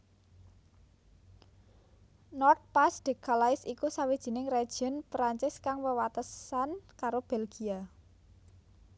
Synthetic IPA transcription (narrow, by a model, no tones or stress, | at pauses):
nɔrt̪̚pasd̪̥e̤kalaɪsikusawid̥ʒ̥i̤nɪŋre̥ʒ̥ənpɾaɲt͡ʃɪskaŋwəwat̪əsankaɾob̥elɡ̥ia